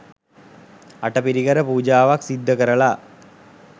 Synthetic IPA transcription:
ɐʈɐpiɾiɣɐɾəpuːd͡ʒaːʋaksid̪ʱːɐkɐɾɐɭa

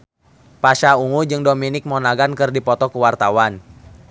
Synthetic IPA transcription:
paʃauŋud͡ʒɨŋdominɪk̚mɔnaɡankɨrdipɔt̪ɔkəwart̪awan

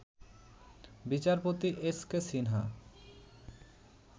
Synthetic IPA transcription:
bit͡ɕaɾpot̪iʔeskesinɦa

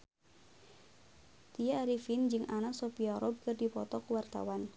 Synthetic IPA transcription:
t̪iaːɾifind͡ʒɨŋʔanasɔpiaɾɔb̚kɨrdipɔt̪ɔkuwart̪a̰wan

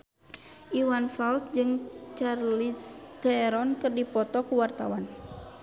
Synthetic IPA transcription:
ʔiwanfalsd͡ʒɨŋt͡ʃarlist̪ɛɾɔnkɨrdipɔt̪ɔkuwart̪awan

